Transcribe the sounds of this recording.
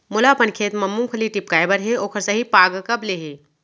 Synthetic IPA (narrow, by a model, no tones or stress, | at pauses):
mʊlapɐnkʰeːt̪mɐmːumkʰɐliʈɪp̚kaːjbəɾɦeoːkʰəɾsɐɦipaːɡkɐbleːɦeː